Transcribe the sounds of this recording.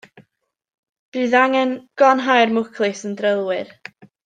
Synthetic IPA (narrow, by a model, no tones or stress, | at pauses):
b̥ɨðaŋɛnɡ̥ɔnɦajrmʊkʰlˠɨsəndrəlˠwɨr